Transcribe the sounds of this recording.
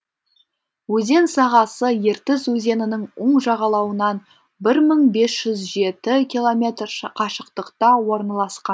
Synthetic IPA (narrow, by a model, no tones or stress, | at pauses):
wɵze̞nsɑʁɑsəje̞ɾt̪ɪzwɵze̞nɪnɪŋoɴʒɑʁɑlˠɑwənɑn | bɪɾməɴbe̞sʒ̥ʏzʒe̞t̪ɪkʲilˠo̞mʲe̞t̪rqʰɑʃəqt̪əqt̪ɑwo̞ɾnɑlˠɑsqɑn